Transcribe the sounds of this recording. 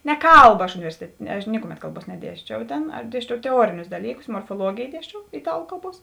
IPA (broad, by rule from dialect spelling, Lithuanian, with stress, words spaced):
nʲɛ ˈkɐlˠbɐ ɐʃ ʊnʲɪˈʋʲɛrʲsʲɪtʲɛtʲeː nʲɛ ɐʃ ˈnʲɪkʊˌmʲɛt ˈkɐlˠˌbuɔs nʲɛˈdʲiɛsʲt͡ʃʲɛʊ ˈtʲeːn ɐʃ ˈdʲiɛsʲt͡ʃʲɛʊ tʲɛˈuɔrʲɪnʲʊs ˈdɑːlʲiːˌkʊs moːrfoːˈlˠuɔɡʲeːj ˈdʲiɛsʲt͡ʃʲɛʊ ɪˈtɑːlˠʊ ˈkɐlˠˌbuɔs